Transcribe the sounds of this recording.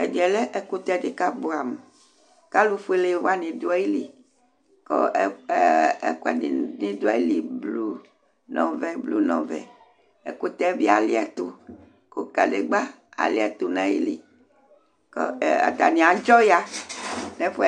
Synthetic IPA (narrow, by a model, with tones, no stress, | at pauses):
e˨di˨ɛ˨le˦ʔe˨ko˦t̪ɛ˦de˨ka˦ba˨m˨ | ka˦lu˦ɸe˦le˨˦wa˦nĩ˨d̪o˦a˦ji˦li˨ | kɔ̰˦ | ḛ˦ka̰˨ni˨nĩ˦d̪u˦a˦i˦li˨blu˦ | nɔ̃˨vɛ˦blu˦nɔ̃˨vɛ̰˨ | e˨ko˦t̪ɛ˦vi˦a˨li˦ɛ˨t̪o˦ | ko˨ka̰˨de˨ɡ͡ba˦ | a̰˨li˦ɛ˨t̪o˦nã˦˨jḭ˦li˨ | kɔ˦˨a̰˨t̪a˨nĩ˨a˨d͡ʒɔ˦ja˦nẽ˦ɸo˦